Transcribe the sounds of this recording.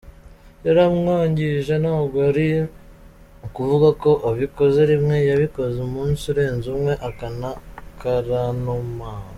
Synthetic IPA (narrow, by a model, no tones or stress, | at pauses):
jaɾamŋoːɲɟiʒe̞naɡoɾi | ukuvuɡako̞ʔaβiko̞ze̞ɾimŋe̞jaβiko̞zemuːnsuɾe̞ːnzumŋe̞ʔakanakaɾanumaːno